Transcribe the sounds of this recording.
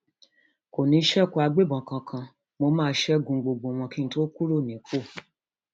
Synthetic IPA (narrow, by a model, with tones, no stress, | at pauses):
ko˨nĩ˧˦ʃɛ˦˨ko˧a˧ɡ͡be˦˨bɔ̃˨kã˧kʰã˧ | mo˧mãː˦˧˦ʃɛ˦ɡũ˧˨ɡ͡bo˨ɡ͡bo˨w̃ɔ̃˧ki˦ñ̩˦to˦ku˦ɾo˦˨nĩ˨˦ko˦˨